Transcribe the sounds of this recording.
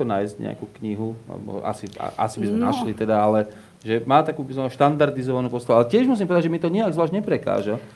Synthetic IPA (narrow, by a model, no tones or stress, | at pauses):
ɔnaːjzɟɲɛ̰a̰kuːkɲiɦulɛ̰bɔ̰a̰sia̰ʔa̰sibizmɛnaʃlit̪ɛd̪aalɛ | ʒɛmaːt̪akuːbiznamaʃt̪and̪aɾd̪izɔʋanuːpɔst̪aʋualɛcɪɛʒmus̬impɔʋɛd̪ad͡ʒʒɛmit̪ɔɲiaɡzʋlaːʒɲɛpɾɛka̰ːʒa